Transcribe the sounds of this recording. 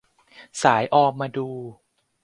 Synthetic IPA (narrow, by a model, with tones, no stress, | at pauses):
saː˩˦jʔɔː˧mmaː˧duː˧